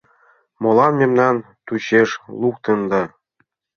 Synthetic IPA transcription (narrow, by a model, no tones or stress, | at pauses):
mŏlˠɑnmʲemnɑn | t̪uɕeʂlˠuk̚t̪ɤ̆nd̪ɑ